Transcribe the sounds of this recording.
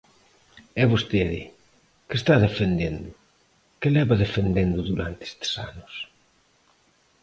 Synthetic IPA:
ɛβost̪eðɪ̰ | kest̪aðefend̪end̪u | kelɛβaðefend̪end̪uðuɾant̪e̥st̪e̥sa̰nʊs

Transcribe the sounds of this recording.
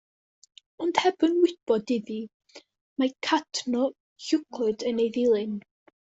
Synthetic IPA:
ɔnd̥hɛbɨnwɪb̥ɔdɪði | makʰadʰnɔ | çʊkʰʊdənejðɪlˠɨn

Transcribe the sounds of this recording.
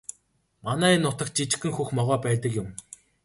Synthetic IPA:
manæːinːʊt̪ə̆k̚t͡ɕit͡ɕ̆xɘ̆ŋxuxmɔʁɔːpæːt̪ə̆kjʊm

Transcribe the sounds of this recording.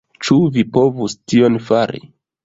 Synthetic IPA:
t͡ʃuvipo̞vustionfaɾḭ

